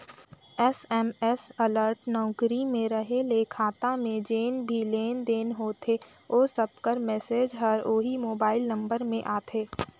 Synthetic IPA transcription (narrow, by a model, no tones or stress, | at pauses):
ɛsɛmɛsɐləɾʈnɔːkɾimẽɾɐɦelekʰaːt̪amẽd͡ʒeːnbʱileːnd̪eːnɦoːt̪ʰe | oːsəbkəɾmɛːseːd͡ʒɦɐɾoːɦimoːbaːɪlnɐ̃mbəɾmẽʔaːt̪ʰeː